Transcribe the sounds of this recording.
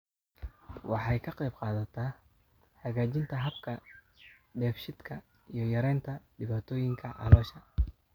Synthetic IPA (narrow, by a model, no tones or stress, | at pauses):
wɑħɑjkʰɐqɛjbqɑːðɐt̪ʰɐ | ħɐɣaːt͡ʃɪnt̪ʰɐɦɐb̚kʰɐ | ɖɛːfʃɪd̪kʰɐ | ijɞjɐɾɛjnt̪ʰɐɖɪβaːt̪ʰɔːjɪŋkʰɐʔɑ̰lɔːʃɐ